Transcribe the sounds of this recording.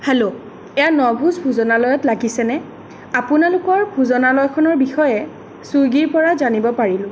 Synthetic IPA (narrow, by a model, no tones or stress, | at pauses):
hɛlo | ɛjanɔbʱuzbʱuzɔnalɔjɔtlaɡisɛnɛ | apʊnalʊkɔɹbʱuzɔnalɔjkʰɔnɔɹbixɔjɛ | suɡiɹpɔɹazanibɔpaɹilʊ̃